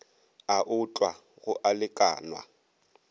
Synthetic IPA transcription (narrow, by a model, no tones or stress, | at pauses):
aʔʊtʼwa | ɣʊʔalɪkʼa̰ːnwa̰